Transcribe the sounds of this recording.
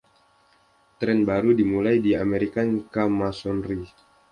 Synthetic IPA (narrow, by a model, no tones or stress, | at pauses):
t̪ɾɛnbaɾudimulajdiameɾikaŋkamasɔnri